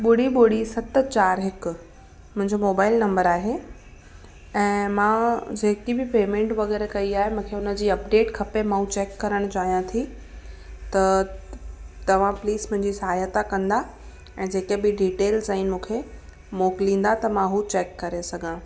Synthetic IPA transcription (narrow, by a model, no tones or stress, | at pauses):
ɓʊɽiɓʊɽisɐt̪t͡ɕaːɾɦɪkʊ | mʊ̃ɦɪ̃ɲd͡ʑomoːbaːɪlnɐ̃mbəɾaːɦe | ɛ̃ːmãːd͡ʑeːkibɪpeːmẽɳʈʋɐɣɛːɾekɐiaːɦemũːkʰeʊnə̆d͡ʑiːɐpɖeːʈkʰɐpemãɦũt͡ɕeːkːɐɾəɽ̃t͡ɕaːɦijãt̪ʰi | t̪ɐ | t̪ɐʋ̤ãpliːsmʊ̃ɦɪ̃ɲd͡ʑisɐɦaːjət̪akɐ̃nd̪a | ɛ̃ːd͡ʑeːkebɪɖiːʈeːlzainmũːkʰe | moːklĩːn̆d̪at̪ɐmãɦut͡ɕeːkːɐɾesɐɡʱãː